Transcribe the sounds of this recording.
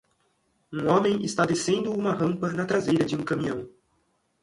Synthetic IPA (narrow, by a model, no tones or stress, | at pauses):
ũõmẽj̃ɪst̪ad̪esẽnd̪ʊũmɐɦɐ̃mpɐnɐt̪ɾazejɾɐd͡ʒɪũkɐ̃mĩɐ̃w̃